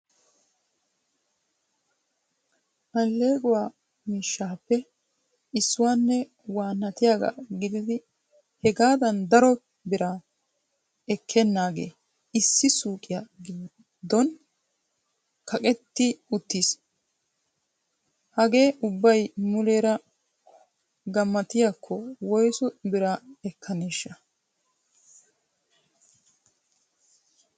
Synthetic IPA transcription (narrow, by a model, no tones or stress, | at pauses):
ʔɐlːe̞ːɡʊwaː | miːʃːaːpːɛ | ɪsːʊwaːnːɛ | waːnːɐt̪ɪjaːɡa̰ɡɪd̪ɪd̪ɪ | hɛɡaːd̪ɐnd̪ɐɾɔ | bɪɾa | ɛkʰːɛnːaːɡe̞̰ː | ɪsːɪsuːkʼɪjaɡɪ | d̪ːɔn | kɐkʼɛt̪ːɪʊt̪ːis | hɐɡe̞ːʔʊbːɐjmʊleːɾɐ | ɡɐmːɐt̪ɪjakʰːɔwɔjsɔbɪɾaɛkʰːɐneːʃːɐ